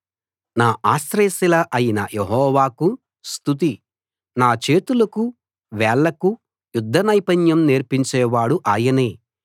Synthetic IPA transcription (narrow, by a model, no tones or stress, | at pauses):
naːʔaːsɾeːsilɐʔɐjinɐ̰jeɦɔːʋaːku | st̪ut̪̬i | naːt͡ʃe̞ːt̪ulɐku | ʋɛːɭːɐku | jud̪ʱːɐnɐjpɐɲjɐmneːɾpiɲt͡ʃɛːʋaːɽuʔaːjɐneː